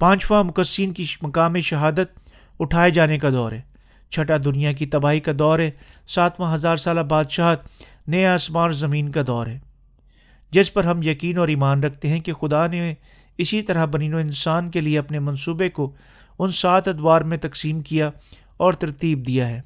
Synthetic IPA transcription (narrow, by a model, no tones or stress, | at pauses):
pãːt͡ʃʋamʊkəsiːnkimɐkaːmiʃɐɦaːd̪ət̪̚ | ʊʈʰaːed͡ʒaːnekad̪ɔːɾɦɛː | t͡ʃʰɐʈad̪ʊnijak̬it̪ɐbaːɦikad̪ɔːɾɦɛːsaːt̪ʰʋãɦɐzaːɾsaːlabaːd̪ʃaːɦt̪ | neeaːsmaːɾzɐmĩːnkad̪ɔːɾɦɛː | d͡ʒɪspɐɾɦɐmjɐkiːnɔːɾiːmaːnɾɐk̚ʰt̪eɦɛ̃kexʊd̪ane | ɪsit̪ɐɾaɦbɐniːnoɪ̃nsaːnkelieɐpnemɐ̃nsuːbeko | ʊnsaːt̪ʰɐd̪ʋaːɾmẽt̪ɐksiːmkija | ɔːɾt̪ɐɾt̪iːb̚d̪ijaɦɛː